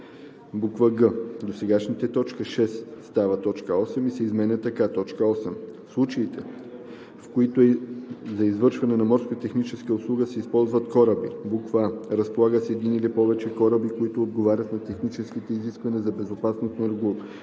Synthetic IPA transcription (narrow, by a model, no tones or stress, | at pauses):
bukvəɡəd̪osɛɡaʃnit̪ɛt̪ɔt͡ʃkəʃɛsst̪avət̪ɔt͡ʃkəɔsɛmisɛizmɛnʲɐt̪ːɐkat̪ɔt͡ʃkəɔsɛm | slˠut͡ʃɐit̪ɛ | fkoit̪ʊzɐizvɤɾʃvɐnɛnɐmɔɾskot̪ət̪ɛxnit͡ʃɛskəoslˠuɡəsɛispɔlˠzvɐt̪kɔɾəbibukvɾəspolˠaɡəsɛd̪inilipɔvɛt͡ʃɛkɔɾəbikoit̪oːd̪ɡovaɾʲɐt̪nɐt̪ɛxnit͡ʃɛskit̪ɛiziskvɐniɛzɐbɛzopasnosnɐɾɡu